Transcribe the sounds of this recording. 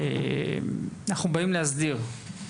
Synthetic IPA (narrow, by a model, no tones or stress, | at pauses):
ḛmanaχnubaimlehazd̪iʁ